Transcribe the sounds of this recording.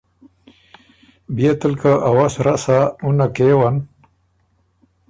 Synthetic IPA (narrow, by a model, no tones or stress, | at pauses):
bijet̪əlkaʔawasɾasaunakewan